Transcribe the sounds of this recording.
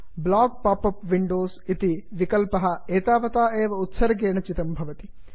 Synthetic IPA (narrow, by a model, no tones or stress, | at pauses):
blaːɡ̚paːpɐpʋiɳɖoːsit̪iʋikɐlpɐɦɐeːt̪aːʋɐt̪aːeːʋɐut̪sɐɾɐɡeːɳɐt͡ʃit̪ɐmbʱɐʋɐt̪i̥